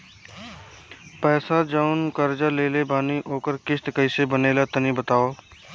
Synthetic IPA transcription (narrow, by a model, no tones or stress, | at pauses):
pɛːsad͡ʒəʊnkəɾd͡ʒaleːlebaːniʔoːkəɾkɪʃt̪kəɪsebəneːlat̪ənibət̪aːoː